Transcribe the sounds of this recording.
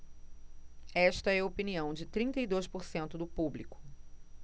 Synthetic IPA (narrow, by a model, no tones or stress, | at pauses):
ɛʃt̪ɐɛopiniɐ̃w̃d͡ʒɪt̪ɾĩt̪ɐid̪ojspoɾsẽnt̪ʊd̪ʊpublikʊ̥